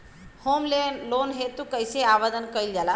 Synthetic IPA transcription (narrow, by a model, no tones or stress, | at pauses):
homlenlonɦet̪ukəjseaʋad̪ənkəilɡala